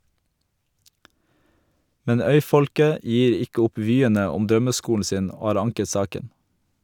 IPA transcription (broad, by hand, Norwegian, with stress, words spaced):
ˈmɛn ˈœʏˌfɔlkə ˈjiːɾ ˈɪkə ˈʊp ˈʋyːənə ˈʊm ˈdɾœməˌskuːln̩ ˈsiːn ˈoː ˈhɑːɾ ˈɑŋkə ˈsɑːkən